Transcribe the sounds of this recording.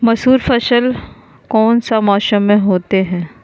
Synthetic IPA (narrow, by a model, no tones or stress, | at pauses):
mɐsuːɾfɐʃəl | kɔːnsamɔːʃəmːẽɦoːt̪eɦɛ̃ː